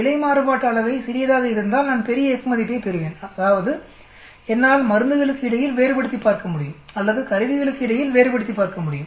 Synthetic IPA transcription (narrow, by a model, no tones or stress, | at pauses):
ɪɭɐɪmaːɾɯpaːʈːɐɐlɭɐʋɐɪsɪɾɪjɐðaːɣɐɪɾɯnd̪aːlnaːnpɛɾɪjɐɛkːɯmɐðɪpːɐɪpɛɾɯʋeːnɐðaːʋɐðɯ | ɛnːaːlmɐɾɯnd̪ɯɣɐɭɯkːɯɪɽɐjɪlʋeːɾɯpɐɽɯt̪ːipːaːɾkɐmʊɽɪjɯmɐlːɐðɯkɐɾɪʋɪɣɐɭɯkːɯɪɽɐjɪlʋeːɾɯpɐɽɯt̪ːipːaːɾkɐmʊɽɪjɯm